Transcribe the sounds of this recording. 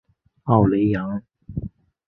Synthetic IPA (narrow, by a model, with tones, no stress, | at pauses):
a˨˩wle˨˧jːɐ˨˧˥ŋ